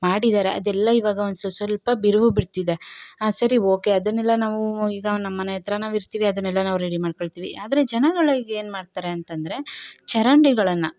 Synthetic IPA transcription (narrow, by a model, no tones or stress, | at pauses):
maːɽid̪aːɾe̞ɐd̪ɛlːɐiʋaːɡɐond̪sɐsʋɐlpɐbiɾuʋubiɽt̪id̪esɐɾio̞ːke̞ɐd̪ɐnːɛlːɐnaːʋuiːɡɐnɐmːɐnjɛt̪ɾɐnaːʋiɾt̪iːʋiɐd̪ɐnːɛlːɐnaːʋuɾeɽimaːɖkoɭt̪iːʋiʔaːd̪ɐɾe̞d͡ʒɛnɐɡɐɭɐiɡeːnmaːɖt̪aːɾeɐnt̪ɐnd̪ɐɾe̞t͡ʃɛɾɐɳɖiɡɐɭɐnːɐ